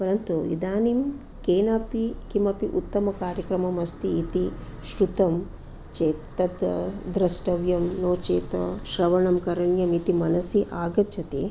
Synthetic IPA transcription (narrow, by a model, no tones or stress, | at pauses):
pɐɾɐnt̪uḭd̪aːnim | keːnɐpikimɐpiʔut̪ːɐmɐkaːɾjɐkɾɐmɐmɐst̪iːt̪i | ʃɾut̪ɐm | t͡ʃeːt̪ːɐd̪d̪ɾɐsʈɐʋjɐmnoːt͡ʃeːt̪ɐ̰ʃɾɐʋɐɳɐmkɐɾɐɳjɐmit̪imɐnɐsiʔaːɡɐt͡ʃʰɐt̪ḛː